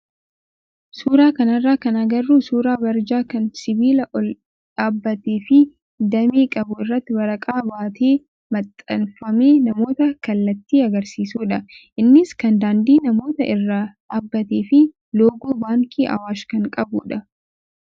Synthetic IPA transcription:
suːɾaːkɐnɐrːaːkɐnɐɡɐrːuːsuːɾaːbɐɾd͡ʒaːkɐnsɪbiːlɐʔɔl | ᶑaːbːɐt̪eːfɪ | d̪ɐmiːkʼɐbʊɪrːɐt̪ːɪwɐɾɐkʼaːbaːt̪eː | mɐt̪ʼːɐnfɐmeːnɐmo̞ːt̪ɐkɐlːɐt̪ːiːɐɡɐɾsiːsuːᶑɐʔɪnːɪskɐnd̪aːnd̪iːnɐmo̞ːt̪ɐʔɪrːaːᶑaːbːɐt̪eːfɪ | loːɡuːbaːŋkʼiːʔɐ̰waːʃkɐŋkʼɐbʊ̰ᶑɐ

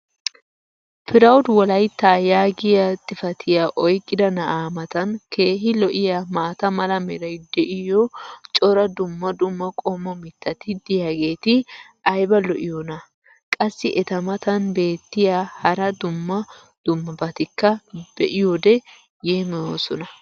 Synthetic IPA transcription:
pʰɪɾɐwd̪wɔlɐjt̪ːaːjaːɡɪjɐt̪ʼɪfɐt̪ʰɪjaʔɔjkʼːɪd̪ɐnɐʔaːmɐt̪ɐnkʰe̞ːɦɪlɔʔɪjamaːt̪ɐmɐlɐmɛɾɐjd̪ɛʔɪjɔt͡ʃʼɔɾɐd̪ʊmːɐd̪ʊmːɐkʼɔmːɔmɪt̪ːɐt̪ɪd̪ɪjaɡe̞ːt̪ɪ | ɐjbɐlɔʔɪjonɐ | kʼɐsːɪʔɛt̪ɐmɐt̪ɐnbe̞ːt̪ːɪjahɐɾɐd̪ʊmːɐ | d̪̥ʊmːɐbɐt̪ɪkːɐb̥ɛʔɪjod̪ɛ | jeːmɪjoːsɔnɐ

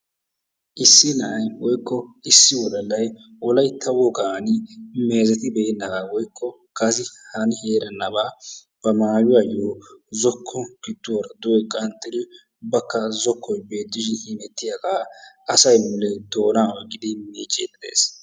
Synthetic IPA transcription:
ʔɪsːɪnɐʔɐjwɔjkːɔɪsːɪwɔlɐlːɐjwɔlɐjt̪ʰɐwɔɡaːnɪme̞ːzɛt̪ɪbɛɪnːɐɡawɔjkʰːɔ | kɐzɪhɐnɪheːɾɐnːɐbaː | b̥ɐmaːjʊwajoːzɔkʰːɔkɪt̪ːʊɾɐd̪ʊɔjkʼɐnt̪ːɛd̪ɪ | ʊbːɐkːɐzɔkʰːɔjbe̞ːt̪ːɪʃ̬ɪnhinɛt̪ːɪjaɡaː | ɐsɐjmʊlːɛd̪o̞ːnaːwɔɡɪd̪ɪmiːt͡ʃʼːḛːt̪ːɪd̪ḛːs

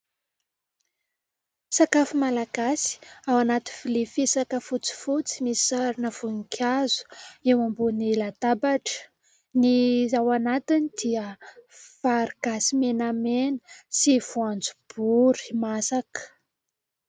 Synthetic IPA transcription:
sakafumalaɡ̥asi̥awanat̪ivilifisakəfut͡si̥fut͡simissaɾinəv̥ukʰʲazu̥ewambunilat̪abaʈ͡ʂə̥ | nizawanat̪inid̪̥iəfaɾiɡ̥asimenamenə̥siv̥uand͡zub̥uɾi̥masakə̥

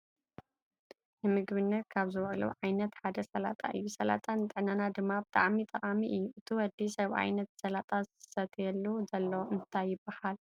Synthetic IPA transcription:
nɨmɨɡβɨnːɐt̪̚kʰaβzɨβɐlṵʕajnɐt̪ħad̪ɐsɐla̰t̪ʼa̰ʔɨjːusɐla̰t̪ʼant̪ʼɨʕnanad̪ɨmːabɨt̪ʼa̰ʕmit̪ʼɐχʼamiʔɨjːuʔɨt̪ʰiwɐd̪isɐβʔa̰jnɐt̪sɐlat̪ʼazɨɨ̥sɐt̪ʰjɛlːuzɐlːoʔɨnʰt̪ʰajːɪbːahal

